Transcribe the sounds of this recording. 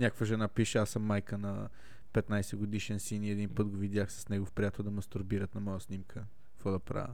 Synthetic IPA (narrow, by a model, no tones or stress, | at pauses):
nʲakəkvəʒɛnapiʃɛasəmːajkənɐ | pɛt̪najsɛɡod̪iʃɛnsiniɛd̪inpɤt̪ɡovid̪jaxsɐ̥snɛɡofpɾʲijat̪ɛlˠd̪ɐmɐst̪uɾbiɾət̪nɐmɔjəsnimkʰə | kvɔd̪ɐpɾa̰vʲə